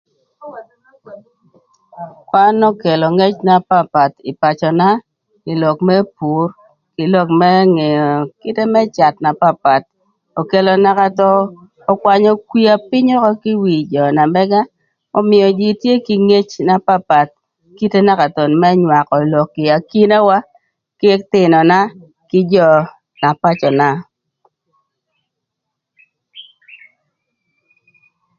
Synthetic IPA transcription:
kwa˦nɔ˦ke˨lɔ˨ŋɛ˦t͡ʃna˨pa˦pa˨tɪ˨pa˨t͡ʃɔ˨na˦ | kɪ˨lɔ˨kmɛ˦pu˨˦r | kɪ˨lɔ˦kmɛ˦ŋe˨jɔ˨ki˦te˦mɛ˦t͡ʃa˨tna˨pa˦pa˨t̚ | o˨ke˨lɔ˨na˦ka˦tɔː˦˨ | kwa˨ɲɔ˨kwi˦a˨pɪ˦ɲɔ˦kɔ˦ki˦wi˨d͡ʒɔ˨na˨mɛ˦ɡa˦ | ɔ˨mɪ˨jɔ˨d͡ʒi˨tje˦ki˨ŋe˦t͡ʃna˨pa˦pa˨t̚ | ki˦te˦na˦ka˨tɔ˨nmɛ˦ɲwa˨kɔ˨lo˨kːɪ˨a˨ki˦na˦wa˦ | kɪ˦ɛ˦k̚tɪ˨nɔ˨na˦ | kɪ˦d͡ʒɔ˨ | na˨pa˦t͡ʃɔ˨na˨

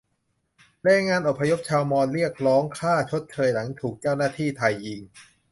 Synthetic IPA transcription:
ɾɛː˧jŋaː˧nʔo˨˩pʰːa˧jo˦˥p̚t͡ɕʰaː˧wmɔː˧nɾi˥˩ək̚ɾɔː˦˥ŋkʰaː˥˩t͡ɕʰo˦˥t̪̚kʰɤː˧jna˩˦ŋt̪ʰuː˨˩k̚t͡ɕaː˥˩wnaː˥˩t̪ʰiː˥˩t̪ʰa˧jʔi˧ŋ

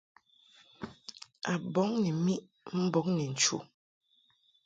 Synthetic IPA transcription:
a˨bɔ˨˦ŋnɛ˨mi˦ʔ | m̩˦bɔ˨˦ŋnɛ˨n̩˨t͡ʃṵ˨

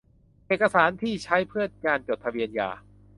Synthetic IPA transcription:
ʔeː˨˩t̪̚ka˧saː˩˦nt̪ʰiː˥˩t͡ɕʰa˦˥jpʰɯ˥˩ət̪̚kaː˧nt͡ɕo˨˩t̪ʰːa˧wi˧ənja̰ː˨˩

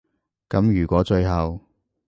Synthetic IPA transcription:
kɐ˨˥mjyː˨˩kʷɔː˨˥t͡ʃɵ˧ɥɦɐ˨w

